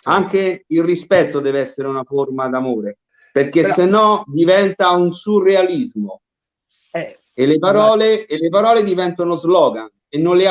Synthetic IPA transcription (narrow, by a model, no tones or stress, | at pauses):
aŋkeilrispɛt̪ːod̪ɛːveɛsːeɾeunaformad̪amoːɾe | perk̟esːenːɔd̪ivɛnt̪aunsurealizmo | elːepaɾɔːleːlːepaɾɔːled̪ivɛnt̪onozlɔːɡan | enːonlɪa